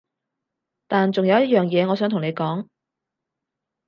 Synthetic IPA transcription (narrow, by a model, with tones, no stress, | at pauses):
t̪aː˨nt͡sʊ˨ŋjɐ˨˧wjɐ˥t̚jœː˨˩ŋjɛː˨˧ŋɔː˨˧sœː˨˥ŋt̪ʊ˨ŋne˨˧jkɔː˨˥ŋ